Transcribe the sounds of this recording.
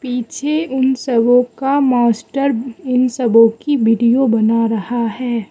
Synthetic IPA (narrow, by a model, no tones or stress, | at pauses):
piːt͡ʃʰeʊnsɐbõkamaːsʈəɾɪnsɐbõkiʋɪːɖijobɐnaɾɐhaɦɛː